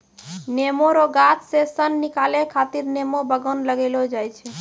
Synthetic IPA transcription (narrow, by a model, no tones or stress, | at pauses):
nemoɾoɡat̪sesənːikalekʰat̪iɾnemobəɡənləɡelod͡ʒajt͡ʃʰɛ